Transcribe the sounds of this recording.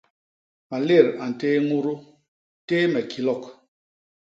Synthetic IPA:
ma˨le˦˨ɾa˨n̩˨teː˦ŋu˦ɾu˦ | teː˦mɛ˨kʰi˨lɔ˦˨k

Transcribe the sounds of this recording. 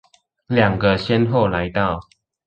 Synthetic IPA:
lja˨˩ŋɡə˨ɕjɛ˦nɦo˥˨ʊla˨˦ɪt̪a˥˨ʊ

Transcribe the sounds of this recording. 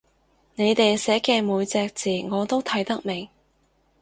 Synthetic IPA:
ne˨˧jt̪e˨jsɛː˨˥kɛː˧muː˨˧jt͡sɛː˧k̚t͡siː˨˩ŋɔː˨˧t̪o˥wt̪ʰɐ˨˥jt̪ɐ˥k̚mɪ˨˩ŋ

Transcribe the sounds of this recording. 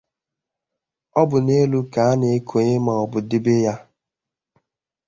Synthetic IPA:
ɔ˦bʊ˨ne˦lu˦ka˨a˦ne˨e˦kʰo˨ɲe˦ma˨ɔ˨bʊ˨dɪ˦be˦ja˦

